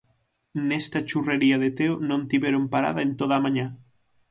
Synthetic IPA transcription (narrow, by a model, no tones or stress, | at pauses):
nest̪at͡ʃureɾiaðet̪eonõnt̪iβeɾompaɾa̰ðaent̪oðamãɲa